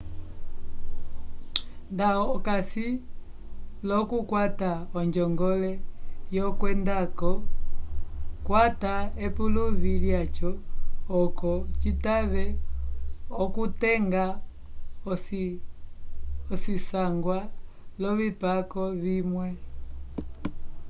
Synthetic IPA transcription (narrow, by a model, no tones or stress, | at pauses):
ndaɔkasi | lɔkukwataɔɲd͡ʒɔŋɡɔlɛjɔkwɛndakɔ | kwataɛpuluviljat͡ʃɔː | kɔt͡ʃitaβɛ | ɔkutɛŋɡa | ɔs | ɔsisaŋɡwalɔβipakɔvimwɛ